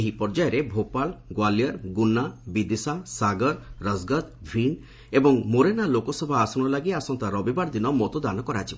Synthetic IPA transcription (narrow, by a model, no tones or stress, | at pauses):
eɦipɔɾd͡ʒajɔɾebʱopalɡwalijɔɾɡunabid̪isasaɡɔɾɾəzɡat̪bʱin | ebɔŋmoɾenalokɔsɔbʱaːsɔɽ̃ɔlaɡiasɔnt̪aɾɔbibaɾd̪inɔmɔt̪ɔd̪anɔkɔɾat͡ʃʰib